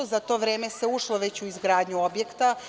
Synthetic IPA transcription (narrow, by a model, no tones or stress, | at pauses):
ozat̪o̞ːʋɾeːme̞seuʃlˠoʋe̞t͡ɕuizɡɾaːd̪ɲuobje̞kt̪a